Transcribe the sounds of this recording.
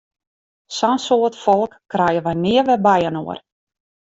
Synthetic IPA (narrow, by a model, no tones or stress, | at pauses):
sansoətfɔlˠkːrɛjəʋajnɪəʋɛbɛjəno̰ər